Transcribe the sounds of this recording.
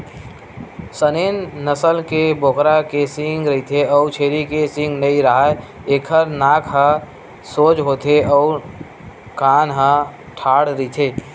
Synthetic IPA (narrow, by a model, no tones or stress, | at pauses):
sənenːəsəlkebʱokɾakesĩŋɡɾəɦit̪ʰeɔːt͡ʃʰeɾikesɪ̃ŋɡnəiɾəɦa | ekʰəɾnaːkʰɦə̃ | soːd͡ʒɦot̪ʰeɔʊɾ | kaːnɦə̃ | ʈʰaːɽɾəit̪ʰe